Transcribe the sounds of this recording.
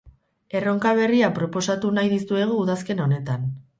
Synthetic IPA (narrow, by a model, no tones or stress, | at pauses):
e̞ro̞ŋkaβ̞e̞riapɾo̞po̞sat̪unajðist̪ue̞ɣ̞uːðaske̞no̞ne̞t̪an